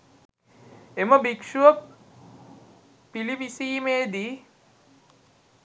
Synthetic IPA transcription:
eməbikʂuʋə | pilipisiːmeːd̪i

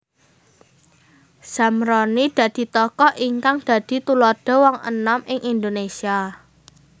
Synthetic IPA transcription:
samɾɔnid̪̥ä̤d̪̥i̤t̪ɔkɔʔiŋkaŋd̪̥ä̤d̪̥i̤t̪ulɔd̥ɔ̤wɔŋə̰namʔɪŋʔind̪onesia

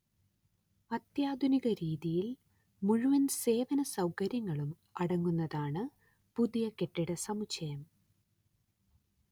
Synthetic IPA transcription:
ɐt̪jaːd̪ʱuniɣɐɾiːðijil | muɻuʋɐnse̞ːʋɐnɐsɐwkɐɾjɐŋːɐɭum | ɐɽɐŋːunːɐðaːɳɨ | puðijɐke̞ʈːiɽɐsɐmuɕɐjɐm

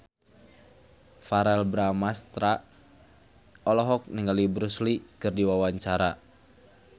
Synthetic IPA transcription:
faɾɛlbɾamast̪ɾa | ɔlɔɦɔk̚niŋɡalibɾuslikɨrdiwawaɲt͡ʃaɾa

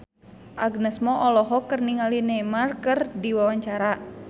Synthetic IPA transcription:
ʔaɡnəsmɔʔɔlɔɦɔkərniŋalinɛmarkərdiwawaɲt͡ʃaɾa

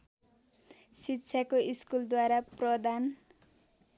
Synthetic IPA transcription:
sitːsʰakoiskuld̪waɾaprʌd̪an

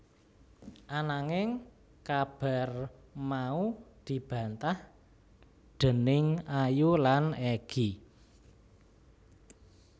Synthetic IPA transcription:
ʔanaŋɪŋ | kab̥a̤r | maud̪̥i̤b̥ä̤nt̪ah | ɖ̪̥ə̤nɪŋajulanɛɡ̥i

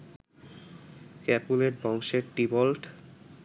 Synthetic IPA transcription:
kɛpuleɾbɔŋʃeɾʈibolʈ

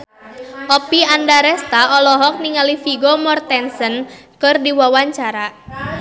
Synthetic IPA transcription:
ʔɔpiandaɾɛst̪aɔlɔɦɔk̚niŋalifiɡɔmɔrt̪ɛnsənkɨrdiwawaɲt͡ʃaɾa

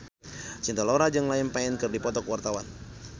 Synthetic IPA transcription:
t͡ʃint̪aloɾad͡ʒɨŋlaɪnpaɛnkɨrdipɔt̪ɔkwart̪awan

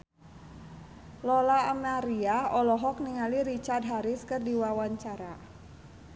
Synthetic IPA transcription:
lɔlaːmaɾiaɔlɔɦɔk̚niŋaliɾit͡ʃard̚ɦaɾɪskɨrdiwawaɲt͡ʃaɾa

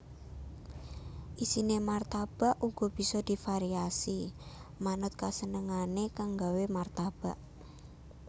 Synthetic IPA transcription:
ʔisinemart̪ab̥aʔuɡ̥ɔ̤b̥i̤sɔd̪̥i̤faɾiasi | manʊt̪̚kasənəŋanekaŋɡawemart̪ab̥aʔ

